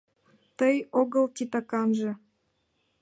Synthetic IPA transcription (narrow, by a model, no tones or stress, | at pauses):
t̪əjoɣəltʲit̪ɑkɑnʒɤ̆